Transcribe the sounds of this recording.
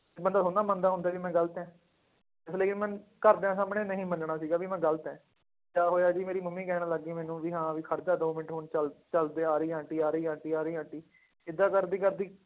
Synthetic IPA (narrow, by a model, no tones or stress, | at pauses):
bənd̪aːsʰoːnaːmənd̪aːɦʊ̃nd̪aːʋiːmɛ̃ːɡəlt̪ɛ̃ː | ɪsleːkɪnmɛ̃nkəɾd̪eãːs̬aːmɳeːnəɦĩːmənɳaːsiːɡaːʋiːmɛ̃ːɡəlt̪ɛ̃ː | kaːɦoːjaːd͡ʒiːmeːɾiːmʊmːĩːkɛːnaːləɡːiːmɛːnũːʋiːɦãːʋiːkʰəɾd̪aːd̪oːmɪʈɦoːɳt͡ʃəlt͡ʃəld̪eːaːɾiːãːɳʈiːaːɾiːãːɳʈiːaːɾəiːãːɳʈiː | ɪd̪ːãːkəɾd̪iːkəɾd̪iː